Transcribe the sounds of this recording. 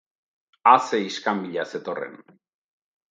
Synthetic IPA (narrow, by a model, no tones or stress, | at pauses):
aseiskambiʎase̞t̪o̞rḛn